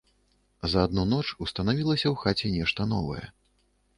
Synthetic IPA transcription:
zɐːd̪̚nunɔt͡ʂust̪ɐnavʲilˠɐsʲɐwxat͡sʲɛnʲɛʂt̪ɐn̪ɔ̰vɐ̰jɛ̰

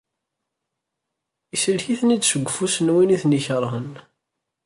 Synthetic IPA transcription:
isəlçiθnid̪səɡʷːəfusənwiniθniçəɾˤhən

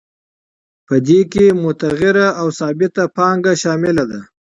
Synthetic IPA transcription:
pəd̪ekemʊt̪aɣɪɾaawsɑbɪt̪apɑŋɡaʃɑmɪlad̪a

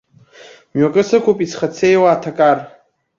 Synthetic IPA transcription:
mɥakʼɨsɨkʷʰupʼisχat͡sʰejwaːtʰakʼar

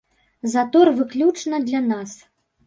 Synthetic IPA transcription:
zat̪ɔrvɨklʲut͡ʂnɐd̪lʲanas

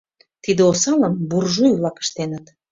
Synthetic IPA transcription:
t̪id̪eosɑləmburʒujβlɑkə̥ʃt̪enət̪

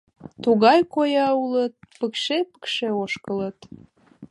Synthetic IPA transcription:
t̪uɣɑjkojɑulət̪̚pəkʃepə̥kʃeoʃkələt̪

